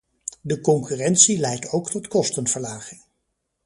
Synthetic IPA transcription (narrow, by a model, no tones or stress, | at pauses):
dəkɔŋkyːrɛntsilɛjtowktɔtkɔstənvəɹlaːχɪŋ